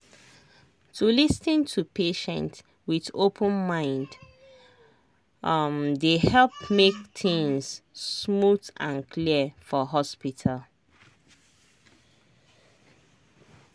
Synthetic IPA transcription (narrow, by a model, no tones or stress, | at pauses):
tʰulisnĩntʰupeʃɛ̰̃nt | wiðopʰə̃nmãɪ̃nd | mdehɛlp̚mek̚tĩŋssmutãnkʰliəfɔɦɔspitʰal